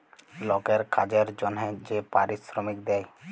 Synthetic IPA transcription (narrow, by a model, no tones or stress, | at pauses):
lɔkɛɾkʰad͡ʒeɾd͡ʒɔnɦɛ̃d͡ʒepaɾisɾɔmikd̪ɛj